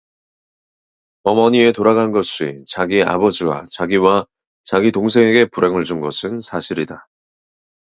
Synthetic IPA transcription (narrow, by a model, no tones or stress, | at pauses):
ʌmʌɲie̞toɾaɡanɡʌɕ͈it͡ɕaɡia̰bʌd͡ʑiwa̰t͡ɕaɡiwa | t͡ɕaɡitoŋs̬ʰe̞ŋe̞ɡe̞puɾe̞ŋɯɭd͡ʑunɡʌsʰɯnsʰaɕʰiɾida